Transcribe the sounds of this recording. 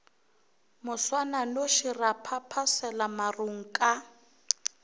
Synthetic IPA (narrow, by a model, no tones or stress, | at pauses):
mʊswananoʃirapʰapʰasɛlamaruŋ̩kʼa